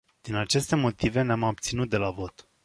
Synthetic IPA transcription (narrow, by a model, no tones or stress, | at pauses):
d̪̥inat͡ʃe̞st̪e̞mo̞t̪ive̞neamab̚t̪sinut̪̚d̪e̞lavo̞t̪